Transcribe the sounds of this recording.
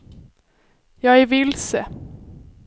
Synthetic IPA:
jɑːɡæɾvɪlsə

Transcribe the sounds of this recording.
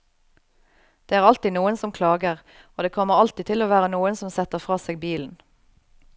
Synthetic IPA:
d̪̥eːæːʁɑlt̪iːnuːənsɔmkʰlɑːɡəʁ | oːd̪eːkʰɔməʁɑlt̪iːt̪ʰɪloːʋæːʁənuːənsɔmsɛt̪əʁfʁɑːseːɡbiːln̩

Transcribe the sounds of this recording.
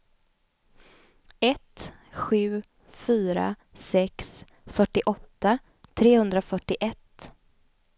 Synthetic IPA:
ɛt̪ | ɧʉ̟ː | fyːɾa̰ | sɛks | fœʈːɪʔɔt̪ːa | t̪ʰɾeːhɵnd̪ɾafœʈːɪʔɛt̪

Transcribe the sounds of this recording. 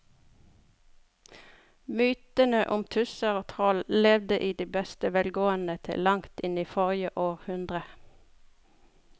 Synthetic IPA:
myːt̪ənəʔʊmt̪ʰʉsəʁoːt̪ʰʁɔllɛʋd̪əʔiːd̪iːbɛst̪əʋɛlɡoːənət̪ʰɪ̰lɑŋt̪ɪniːfɔʁjəʔoːʁhʉnd̪ʁə

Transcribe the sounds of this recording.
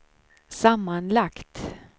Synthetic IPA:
samːanlakt̪

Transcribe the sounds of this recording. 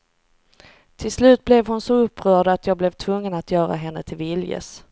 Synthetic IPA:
t̪ʰɪlslʉ̟ːt̪̚blɛvɦʊnsɔɵpːɾœːɖat̪jɑːɡ̚blɛvt̪ʰvɵŋːənat̪jœːɾa̰ɦɛnːət̪ʰɪlvɪljə̰s

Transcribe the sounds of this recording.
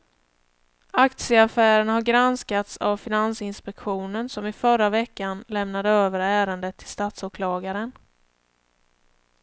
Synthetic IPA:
akt̪sɪəafæːɾənhaɾɡɾanskat̪savfɪnansɪnspɛkɧuːnənsɔmɪfœɾːavɛkːanlɛmnad̪əøːvəɾæːɾənd̪ət̪ʰːɪ̥lst̪aːt̪soːkʰlɑːɡaɾən

